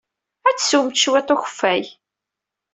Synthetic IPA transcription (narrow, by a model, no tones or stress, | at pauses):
æt͡sːsumt̪ʃwet̪ˤoçə̥fːæj